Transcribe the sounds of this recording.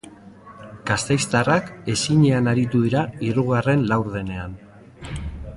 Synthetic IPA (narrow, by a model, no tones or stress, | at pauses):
ɡ̥ast̪ejst̪arake̞siɲe̞anaɾit̪uðiɾaiɾuɣare̞nlawɾð̞e̞ne̞an